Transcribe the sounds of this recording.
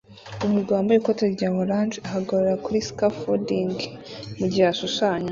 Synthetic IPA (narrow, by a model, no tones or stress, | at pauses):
umuɡaaːmbajikoteɾɟaːβoɾaːnd͡ʒeaɦaɡaɾuɾakuɾiskafodiŋɡmuɟihaʃuʃaːɲa